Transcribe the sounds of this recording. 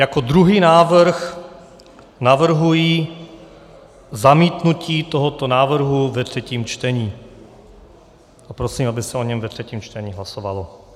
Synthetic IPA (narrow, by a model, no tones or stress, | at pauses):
jakod̪ɾuɦiːnaːv̩r̩x | navr̩ɦujiː | zamiːt̪nuciːt̪oɦot̪onaːvr̩ɦuvɛt̪r̝̥ɛciːmt͡ʃt̪ɛɲiː | ʔapɾosiːmabɪsɛo̞ɲɛmvɛt̪r̝̥ɛciːmt͡ʃt̪ɛɲiːɦlasovalo